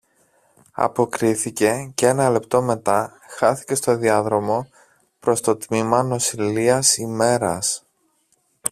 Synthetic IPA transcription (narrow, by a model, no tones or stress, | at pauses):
ɐ̰po̞kɾiθice̞cee̞nɐle̞pt̪o̞me̞t̪ɐ | xɐθice̞st̪o̞ðiɐðɾo̞mo̞ | pɾo̞st̪o̞t̪mimɐno̞siliɐsime̞ɾɐ̰s